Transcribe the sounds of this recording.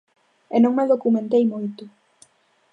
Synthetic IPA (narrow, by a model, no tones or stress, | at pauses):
enõŋmeðokumẽnt̪ejmojt̪ʊ